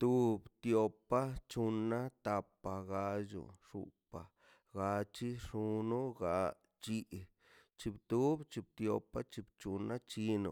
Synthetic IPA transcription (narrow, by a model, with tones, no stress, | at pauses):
t̪u˧bt̪jo˧pːa˦t͡ʃu˧nːa˦t̪a˧pːa˧ɡa˧d͡ʒṵ˨ʂṵ˧pa˨ | ɡa˧t͡ʃi˦ʂu˧nu˦ɡa˧ | t͡ʃi˧ʔ | t͡ʃi˧bt̪u˦bt͡ʃi˧b̚t̪jo˧pːa˦t͡ʃi˧bt͡ʃu˧nːa˦t͡ʃi˧nṵ˨